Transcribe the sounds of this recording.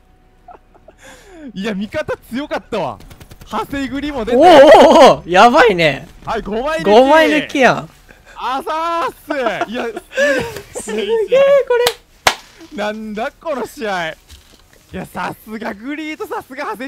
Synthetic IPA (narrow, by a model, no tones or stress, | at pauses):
iamʲikat̪at͡sɨjo̞kat̪ːaβa̰hase̞iɡɯ̟ɾʲimod̪eoː | jaβaine̞ | haiɡomainɡomainɯ̟kʲijã | asaseia | sɨɡeːko̞ɾe | nãnd̪akonoɕiai | iasasɨɡaɡɯ̟ɾʲiːt̪osasɨɡahase